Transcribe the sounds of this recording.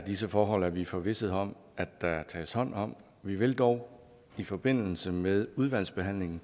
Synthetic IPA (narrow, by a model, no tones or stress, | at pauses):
d̥isəfɒːɦɒ̽l̰æɐʋifɒ̽ʋe̝səð̩ˠɒ̽m̰ | æd̥æt͡sʰɛ̰ːshɒ̽n̰ɒ̽m̰ | ʋiʋe̝ld̥ɒʊ | ifɒ̽b̥e̝n̰l̩səmeð̞ˠuð̞ˠʋæl̰sb̥e̝ɦæn̰le̝ŋn̩